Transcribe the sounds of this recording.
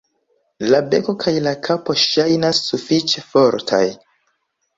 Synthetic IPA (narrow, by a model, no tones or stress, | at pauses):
labe̞ko̞kʰajlakʰapo̞ʃajnasːufit͡ʃe̞fo̞ɾtʰa̰j